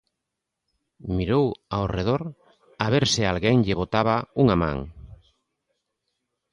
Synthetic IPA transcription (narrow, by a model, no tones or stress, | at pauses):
miɾowaoreð̞oɾ | aβeɾsɪalɣeŋʎeβot̪aβ̞auŋamã̰ŋ